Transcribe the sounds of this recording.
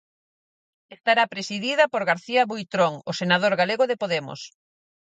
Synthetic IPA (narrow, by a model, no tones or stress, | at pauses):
est̪aɾapɾesiðiðɐpoɾɣaɾθiɐβujt̪ɾoŋosenað̞oɾɣaleɣoðepoðemo̰s